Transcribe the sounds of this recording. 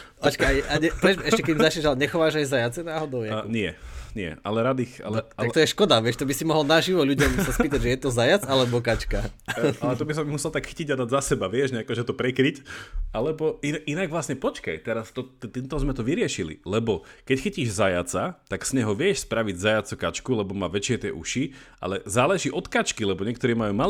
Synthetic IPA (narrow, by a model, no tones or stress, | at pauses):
at͡ʃkajaɲɛpɾɛd͡ʒɛʃcɛkɛd̪imzat͡ʃɲɛʒalɛɲɛxɔʋaːʒajzajat͡sɛnaːɦɔd̪ɔʊjɛɲɪɛ̰ɲɪɛ̰ʔa̰lɛɾad̪ixa̰lɛat̪ɔjɛʃkɔd̪aʋɪɛʃt̪ɔbisimɔɦɔlnaʒiʋɔʎuɟɔmsaspiːt̪aɟʒɛjɛt̪ɔzajat͡salɛbɔk̬at͡ʃkaalɛt̪ɔbis̬ɔmmusɛlt̪akxiciɟad̪aɟzasɛbaʋɪɛʒɲɛakɛʒɛt̪ɔpɾɛkɾicalɛbɔiʔinaɡʋlasɲɛpɔt͡ʃka̰jt̪ɛɾast̪ɔt̪t̪int̪ɔzmɛt̪ɔʋiɾɪɛʃilḭlɛbɔkɛcxiciːʒzajat͡sat̪aksɲɛɦɔʋɪɛʃspɾaʋiɟzajat͡sɔkat͡ʃkulɛbɔmaːʋɛt͡ʃɪɛt̪ɪɛʔuʃiʔa̰lɛzaːlɛʒiːʔɔt̪kat͡ʃkilɛbɔɲɪɛk̚t̪ɔɾiːmajuːma